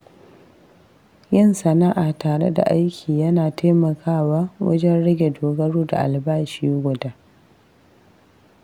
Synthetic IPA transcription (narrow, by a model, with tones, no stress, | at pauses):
jɪ˦˨nsɐ˨naː˦ʔa˨taː˨ɽḛ˦da̰˨ʔa˦jkʲʰiː˨jɐ˦naː˨tʰa˦mɐ˨kʰaː˦waː˦wɐ̰˦d͡ʒɛ˦nɽɪ˦ɡʲe˨doː˨ɡɐ˦ɽuː˦da̰˨ʔa̰˨lbaː˦ʃiː˦ɡʷʊ˨daː˦